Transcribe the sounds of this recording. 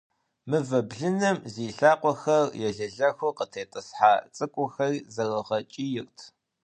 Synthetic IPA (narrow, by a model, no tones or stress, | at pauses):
mɨvɐbɮɨnɐmziːɬaːqʷɔxɐrjɛɮɐɮɐxʷʊqətʰeːtʼɨsħaːt͡sʼɨkʷʼʊxɐrizɐrɐʁɐt͡ʃʼijɪrtʰ